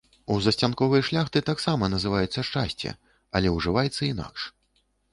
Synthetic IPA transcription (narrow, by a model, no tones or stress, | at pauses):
uzɐsʲt͡sʲankɔvɨjɐʂlʲaxt̪ɨt̪aksamɐnɐzɨvajɛt̪sːɐʂt͡ʂasʲt͡sʲɛ̰ | ɐlʲɛuʐɨvajɛt̪sːɐina̰kʂ